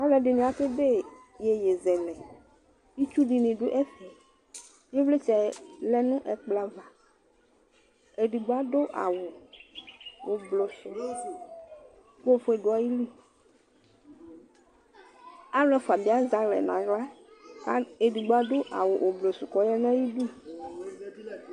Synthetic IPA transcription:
a˦lɛ˦ɖi˨nĩ˨a˦ke˦be˦ | je˨je˨zɛ˨lɛ˨ | i˦t͡ʃu˦ɖi˨nĩ˨ɖo˦ʔɛ˦fi˨ | je˦vle˦t͡ʃɛ˨lɛ˦nũ˦ʔɛ˨k͡pla˦va˨ | e˨ɖi˨ɡ͡bo˦a˦ɖo˦ʔa̰˨wo˨ | wo˨blo˨su˨ | ko˦fo˦e˨ɖo˨˦a˨ji˦li˦ | a˦lɛ˦fo˨a˨bi˨˦a˦za˨lɛ̰˨nã˨ɣla˦ | a˦e˨ɖi˨ɡ͡bo˨˦a˦ɖo˦ʔa̰˨wo˨ʔo˨blo˨su˨kɔ˨˦jɛ˦nã˦ji˦ɖu˦

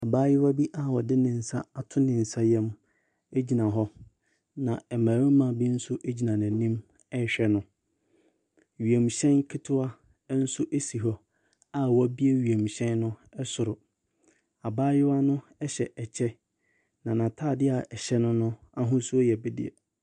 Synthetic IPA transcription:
a˨baː˦jɪ˦wa˦bi˦ʔa˦wɔ˨dɪ˦nɪ̃˨n̩˨sa˦a˨tʰʊ˦nɪ̃˨n̩˨sa˦jɛ̃˦m | e˦d͡ʑi˨nã˨ɦɔ˦ | nã˨ɛ˨mãː˨wɪ˦mã˨bi˦n̩˦sʊ˦ʔe˦d͡ʑi˨nã˨nã˨nĩ˦m | ɛ˦˨ɕᶣɛ˦nʊ̃˦ | ɥi˨e˨m˨ɕɛ̃˦nkʰɪ˦tʰʊ˦a˦ | n̩˦sʊ˦ʔe˦si˨ɦɔ˨ | a˨wɔ˦bi˦e˦ɥi˨e˨m˨ɕɛ̃˦nːʊ̃˦ɛ˦sʊ˨ɾʊ˨ | a˨baː˦jɪ˦wa˦nʊ̃˦ | ɛ˦ɕɛ˨ʔɛ˨t͡ɕʰɛ˦ | nã˨nã˨tʰaː˦˨dɪ˦a˨ɛ˨ɕɛ˦nʊ̃˦nʊ̃˦a˦ɦʊ̃˦sʊ˦ɔ˦jɛ˨bɪ˦dɪ̰˦˨ɛ̰˨

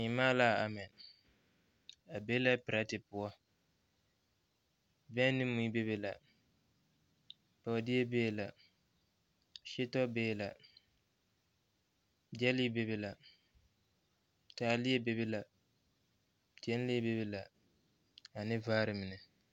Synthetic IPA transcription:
ɲɪ˨maː˦laː˦˨a˨mɛ˨ | a˨be˦la˦pɪ˨ɾa˦tɪ˨pʊ˨˦ɔ˦ | bɛ˦nɪ˦mːu˦i˦be˦be˦la˨ | pa˨di˦e˦beː˦˨la˨ | ʃe˦tɔ˦beː˦˨la˨ | d͡ʒɛ˦li˦be˦be˦la˨ | taː˨˦lɪ˦e˦be˦be˦la˨ | tɛ˦n˦li˦be˦be˦la˨ | a˨nɪ˦vaː˦ɾɪ˨mɪ˨nɨ˨

